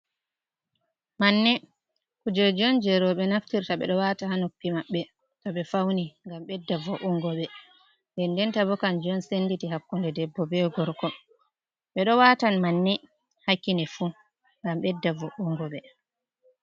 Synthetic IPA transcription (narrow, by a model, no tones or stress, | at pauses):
manːɛ | kud͡ʒɛd͡ʒɔnd͡ʒɛɾɔɓɛnaftiɾtaɓɛ̰ɗɔwatahanupːimaɓːɛ | tɔɓɛfawniŋɡamɓɛdːavɔʔuŋɡɔɓɛ | ndɛndɛntabɔkand͡ʒɔnsenditiɦakːundɛdɛbːɔbɛɡɔɾkɔ | ɓɛɗɔwatanmanːɛ | hakːinɛfu | ŋɡamɓɛdːavɔʔuŋɡɔɓɛ